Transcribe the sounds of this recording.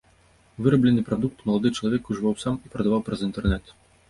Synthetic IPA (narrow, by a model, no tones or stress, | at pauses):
vɨɾɐblʲɛnːɨpɾad̪uk̚t̪mɐlˠad̪ɨt͡ʂɐlˠavʲɛkuʐɨvawsamipɾɐd̪avawpɾɐzint̪ɛrnɛt̪